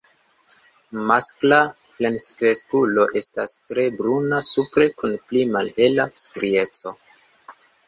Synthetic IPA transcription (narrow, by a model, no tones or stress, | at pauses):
maskla | plenskɾeskulo̞ʔe̞stastɾe̞bɾunasupɾe̞kunplimalhe̞lastɾie̞t͡so̞